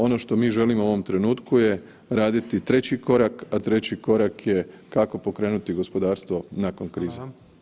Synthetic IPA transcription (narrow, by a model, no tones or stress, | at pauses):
o̞no̞ʃt̪o̞miːʒe̞limoo̞ʋo̞mt̪ɾe̞nuːt̪kuje | ɾaːd̪it̪it̪ɾe̞t͡ɕiko̞ɾakat̪ɾe̞t͡ɕiko̞ɾakje̞kako̞po̞kɾe̞ːnut̪iɡo̞spo̞d̪aːɾst̪ʋo̞nako̞nkɾiːza